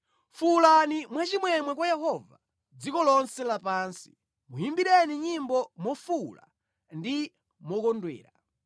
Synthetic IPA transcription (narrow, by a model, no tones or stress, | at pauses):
fulanimwat͡ʃimwɛmwɛkwajɛɦɔva̰ | d͡zikɔlɔnsɛlapaːnsi̥ | mujimbiɗɛniɲimbɔmɔfula̰ | ndi | mɔkɔndwɛ̰ːɾa